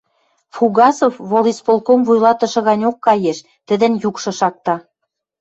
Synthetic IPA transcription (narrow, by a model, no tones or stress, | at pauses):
fuɣɑsofβolispolˠkomvujlɑt̪ə̆ʃɤ̆ɣɑnʲokːɑjeʃ | t̪ə̆d̪ə̆njukʃɤ̆ʃɑk̚t̪ɑ